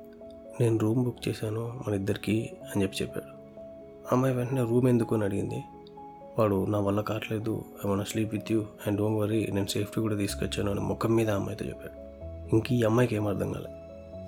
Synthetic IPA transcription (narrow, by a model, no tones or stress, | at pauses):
ne̞ːnuɾuːmbukːt͡ʃeːsaːnoːmɐnɐid̪ːɐɾikiɐnit͡ʃepːi̥t͡ʃɛpːa̰ːɽu | ɐmːɐjʋeɳʈɐne̞ːɾuːme̞nd̪ukoːnɐɽiɡind̪i | ʋaːɽunaːʋɐlːɐkaːʈle̞ːd̪ṵeːmɐnasliːpʋit̪ʰjuːeɳɖoːŋʋɐɾine̞ːnuse̞ːpʰʈikuːɽaːt̪iːsu̥kɔt͡ʃːaːnuɐnḭmʔɔkːɐmːiːd̪ɐɐmːɐ̰jt̪o̰ːt͡ʃɛ̰pːa̰ːɽu | iŋkiɐmːɐjkeːmɐɾd̪ʱɐŋɡa̰ːlḛː